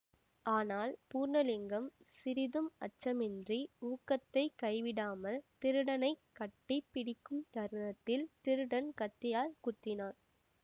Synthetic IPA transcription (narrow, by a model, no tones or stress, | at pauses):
ʔaːnaːlpuːɾnɐlɪŋɡɐmsɪɾɪðɯmɐt͡ʃːɐmɪndriuːkːɐt̪ːɐɪkɐɪʋɪɽaːmɐlt̪ɪɾɯɽɐnɐɪkːɐʈːɪpːɪɽɪkːɯmt̪ɐɾnɐt̪ːɪlt̪ɪɾɯɽɐnkɐt̪ːɪjaːlkʊt̪ːɪnaːɾ